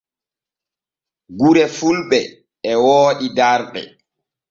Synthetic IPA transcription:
ɡuɾɛfulɓɛː | wɔːɗidaɾɗɛ̰

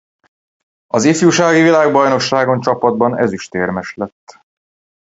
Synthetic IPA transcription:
ɒzifjuːʃaːɡivilaːɡbɒjno̞ʃaːɡo̞nt͡ʃɒpɒd̪̚bɒnɛ̰zyʃt̪eːrmɛʃlɛt̪ː

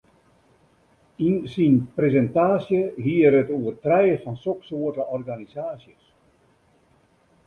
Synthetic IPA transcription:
insinprezɛntaːsjəɦiəɾətuərtrɛjəfɔnsoksoətəʔɔrɡanisaːsjəs

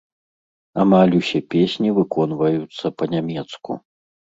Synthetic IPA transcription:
amalʲusʲɛpʲesʲnʲivɨkɔnvɐjut̪sːɐpɐnʲamʲɛt̪skṵ

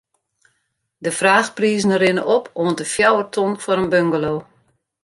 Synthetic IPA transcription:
dəfraːxpriːznəɾɪnəʔɔpʰoəntəfjawərtʰonfɔɾənbøŋɡəloː

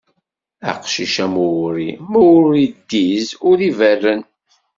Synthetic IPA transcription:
æ̰qʃiʃæmuwɾimuwɾid̪ːizʊɾiværːən

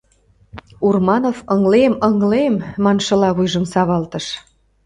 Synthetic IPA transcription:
urmɑnofɤŋleməŋlemːɑnʃɤ̆lɑβujʒə̆msɑβɑlt̪əʃ

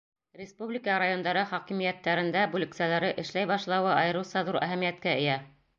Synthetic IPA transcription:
rʲɪspublʲɪkəɾajo̞nd̪ɑɾɤχɑkimijæt̪ːæɾɘ̆nd̪æbulɘ̆ksælæɾɘʔɘ̆ʃlæjbɑʃlˠɑwɤɑjɤ̆ɾɤ̆wsɑðuɾʔæ̰ɦæmijæt̪̚kæɘ̆jæ

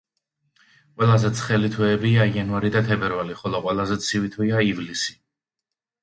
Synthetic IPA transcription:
qʼwɛlˠazɛt̪sʰχɛlit̪ʰwɛːbiaianvaɾid̪at̪ʰɛbɛɾvaliχɔlˠɔqʼwɛlˠazɛt̪sʰivit̪ʰwiaivlisi̥

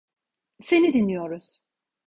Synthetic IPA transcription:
se̞nid̪inːijo̞ɾuz̥

